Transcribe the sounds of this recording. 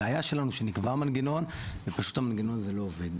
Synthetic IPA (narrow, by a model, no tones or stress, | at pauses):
eajaʃe̞lanuʃenikvamanɡeno̞n | vepaʃu̥t̪hamanɡeno̞nzelo̞ːved̪